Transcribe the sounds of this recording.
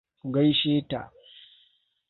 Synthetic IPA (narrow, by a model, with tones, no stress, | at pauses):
ku˨ɡa˦jʃeː˦ta̰˨ʔ